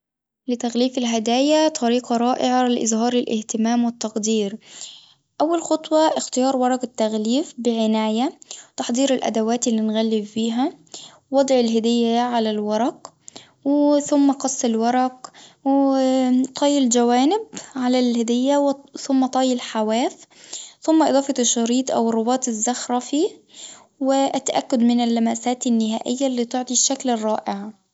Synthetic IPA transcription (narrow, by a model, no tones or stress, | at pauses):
lɪt̪aɣliːfɪlɦɪd̪aːjat̪ˤʰɑɾiːqɑɾˤɑːʔɪʕalɪʔɪzhɑːɾˤɪlʔɪ̰ht̪ɪmaːmwɪt̪ːɑqd̪iːɾ | ʔawːalxɑt̪ˤwɑʔɪxt̪ɪjɑːɾˤwɑɾˤɑqɪt̪ːaɣliːfbɪʕɪnaːjat̪ɑħd̪ˤiːɾɪlʔæ̰d̪awaːt̪ɪlːinɣælːɪbfiːɦa | wɑd̪ˤʕɪlɦɪd̪ɪjːaʕalalwɑɾˤɑq | wθʊmːæqɑsˤːɪlwɑɾˤɑqw | t̪ˤʰɑːjɪld͡ʒawaːnɪb̚ʕalælhɪd̪ɪjːawθʊmːæt̪ˤɑːjːɪlħawæːf | θʊmːæʔɨd̪ɑːfɑʃːɑɾiːt̪ˤʔa̰wɪrˤːʊbɑːt̪ˤɪzːaxɾˤɑfiː | wɪʔæt̪ːaʔakːʊd̪mɪnɪlːamæːsaːt̪ɪnːɪɦæːʔɪjːalːiːt̪ʊʕt̪ˤiʃːaklɪrˤːɑːʔɪʕ